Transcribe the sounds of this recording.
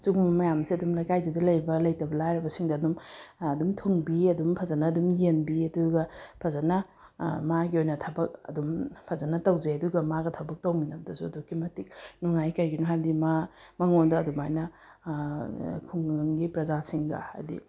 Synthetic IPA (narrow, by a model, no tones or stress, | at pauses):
suɡumbɐmɐjamsiɐdumlɐjkajdidɐlɐjbɐlɐjtɐbɐlajɾɐbɐsiŋdɐːdumɐdumtʰuŋbiɐdumpʰɐzɐnɐːdumjenbiɐduɡɐpʰɐzɐnɐ | maɡiojnɐtʰɐbɐk̚ɐ̰dumpʰɐzanɐtɐwzeɐduɡɐmaɡɐtʰɐbɐk̚tɐwminɐb̚dɐsuɐdukʰimɐtik̚nuŋajkɐɾɡinoɦajbdima | mɐŋondɐɐdumajnɐ | kʰuŋŋɡipɾɐzasiŋɡɐ̰ɐ̰dḭ